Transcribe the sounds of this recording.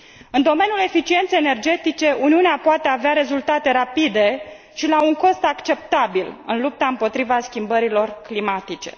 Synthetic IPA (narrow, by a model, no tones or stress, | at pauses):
ɨnd̪o̞me̞nijule̞fit͡ʃient̪sejene̞rd͡ʒe̞t̪it͡ʃe̞uniuneapoat̪e̞aveaɾe̞zult̪at̪e̞ɾapid̪e̞ | ʃilauŋko̞st̪akt͡ʃe̞p̚t̪abilɨ̰nlup̚t̪aɨmpo̞t̪ɾivaskʲimbəɾilo̞rklimat̪it͡ʃe̞̥̰